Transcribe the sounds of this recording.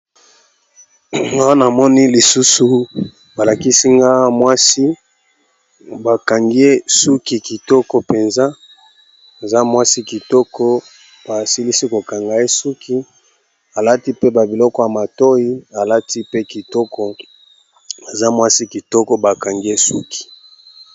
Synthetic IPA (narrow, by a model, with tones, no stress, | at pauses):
ŋa˦wa˦na˨mɔ˦ni˦li˨su˦su˨ | ba˨la˨ki˦si˦ŋɡa˦mwa˦si˦ | ba˨ka˨ŋɡi˦e˦su˦ki˨ki˨tɔ˦kɔ˨pe˨nza˦ | e˨za˦mwa˦si˦ki˨tɔ˦kɔ˦ | b̥a˨si˦li˦si˦ko˨ka˨ŋɡa˨e˦su˦kʰi˦ | a˨la˦ti˦pe˦ba˨bi˨lɔ˦kɔ˦ja˨ma˨to˦i˦a˨la˦ti˦pe˦ki˨tɔ˦kɔ˦ | a˨za˦mwa˦si˦ki˨tɔ˦kɔ˦ba˨ka˨ŋɡi˦e˦su˦ki̥˨